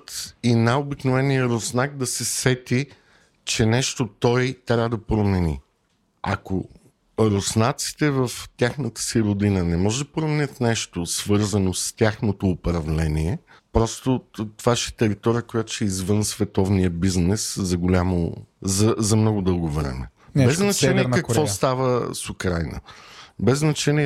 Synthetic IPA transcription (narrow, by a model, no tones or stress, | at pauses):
t̪inaobiknovɛnijəɾosnak̚d̪ɐsɛsɛt̪i | t͡ʃɛnɛʃt̪ot̪ɔjt̪ɾʲavəd̪ɐpɾomɛnḭ | a̰ko | ɾosnat̪si̥t̪ɛvəft̪ʲjaxnət̪ə̥siɾʊd̪inənɛmɔʒɛd̪ɐpɾomɛnʲət̪nɛʃt̪osvɤɾzənost̪ʲjaxnot̪oːpɾɐvlɛniɛ | pɾɔst̪ot̪ovaʃɛ̥t̪ɛɾit̪ɔɾiəkojat̪ʊ̥ʃɛizvɤnsvɛt̪ɔvniəbiznɛszɐɡolʲamo̰zɐzɐmnɔɡʊd̪ɤlˠɡovɾɛ̰mɛ̰ | bɛzznnɐt͡ʃɛniɛkɐkvɔst̪avəsʊkɾajnə̰bɛznɐt͡ʃɛniɛ